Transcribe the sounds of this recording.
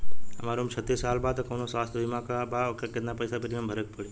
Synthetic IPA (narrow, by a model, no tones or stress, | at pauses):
ɐmaːɾũmt͡ʃʰət̪ːisːaːlbaːd̪kɐːnosʋaːst̪ʰd̪ɪmãkabakakɪt̪napɐjsapɪɾiambʱɐɾək̚pəɽi